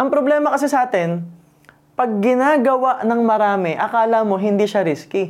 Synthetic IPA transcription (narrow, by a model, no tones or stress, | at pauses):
ʔɐŋpɾoblɛːmɐkɐsɪsɐʔaːt̪ɛn | pɐɡ̚ːɪnaːɡɐwaʔnɐŋmɐɾaːmɛʔɐkaːlɐmo̞ɦɪnd̪iʃɐɾɪski